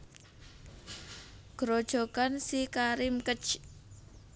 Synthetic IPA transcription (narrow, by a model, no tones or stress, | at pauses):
ɡ̥ɾod̥ʒ̥o̤ɡ̥ansikaɾɪmkət͡ʃ